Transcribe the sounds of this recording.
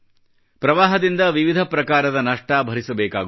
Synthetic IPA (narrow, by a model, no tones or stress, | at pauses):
pɾɐʋaːɦɐd̪ind̪ɐʋiʋid̪ʱɐpɾɐkaːɾɐd̪ɐnɐʂʈaːbʱɐɾisɐbɛːka̰ːɡ